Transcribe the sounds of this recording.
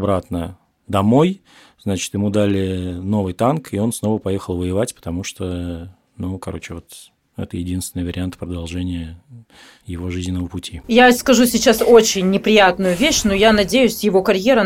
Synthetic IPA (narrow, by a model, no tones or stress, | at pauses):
ɐbɾat̪nə | d̪ɐmo̞j | znat͡ɕɪ̥t̪jɪmud̪alʲɪno̞vɨjt̪ankʰɪo̞nsno̞vəpɐjexəlˠvəjɪvatʲpə̥t̪ɐmuʂt̪o | nukɐɾo̞t͡ɕɪvo̞t̪ | ɛ̰t̪əjɪdʲinst̪vʲɪnɨjvəɾʲɪant̪pɾəd̪ɐlˠʐɛnʲɪjə | jɪvo̞ʐɨzʲnʲɪnəvəpʊtʲijaskɐʐusʲɪt͡ɕaso̞t͡ɕɪnʲːɪpɾʲɪjat̪nʊjʊvʲeɕnojanɐdʲejʊsʲjɪvo̞kɐɾʲjeɾə